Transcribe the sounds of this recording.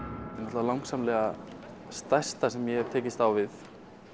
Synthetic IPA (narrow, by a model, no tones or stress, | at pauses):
ɛnɔt̪valawŋksamlɛːɣa | st̪ajst̪asɛmjɛhɛv̥t̪ʰeːcɪst̪awvɪθ